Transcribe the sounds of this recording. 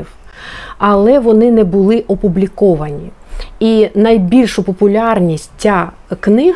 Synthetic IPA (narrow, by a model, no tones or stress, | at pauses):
w | ɐlˠɛʋɔnɪnɛbʊlˠɪʔɔpʊblʲikɔʋɐnʲi | inɐjbʲilʲʃʊpɔpʊlʲɑrnʲisʲt͡sʲa | knɪɦ